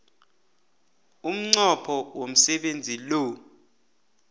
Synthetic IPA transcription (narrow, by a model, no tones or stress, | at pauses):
um̩ŋ͡ǀɔpʰɔwom̩sɛɓend͡zʱilo